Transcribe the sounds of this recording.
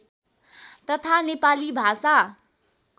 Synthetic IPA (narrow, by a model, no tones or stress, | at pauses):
t̪ʌt̪ʰanepalibʱasa